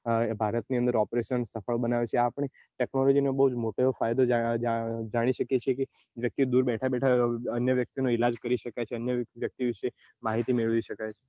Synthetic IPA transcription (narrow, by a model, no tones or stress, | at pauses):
bʱaɾət̪niənd̪əɾɔpɾeʃənsəfəɭbənaʋet͡ʃʰeapɳ̃e | ʈɛknɔlɔd͡ʒinobəɦud͡ʒmoʈeofajd̪o | d͡ʒaɽ̃iʃəkjet͡ʃʰieke | ʋjək̚t̪id̪uɾbɛʈʰabɛʈʰaənjəʋjək̚t̪inoilad͡ʒkəɾiʃəkajt͡ʃʰeənjəʋjək̚t̪iʋiʃe | maɦit̪imeɭʋiʃəkajt͡ʃʰe̥